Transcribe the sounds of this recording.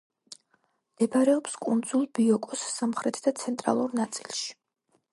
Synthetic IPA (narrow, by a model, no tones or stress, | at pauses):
md̪̥ɛbaɾɛɔpskʼund̪zulˠbiɔkʼɔsːamχɾɛt̪ʰd̪at̪sʰɛnt̪ʼɾa̰lˠuɾnat̪sʼilˠʃi̥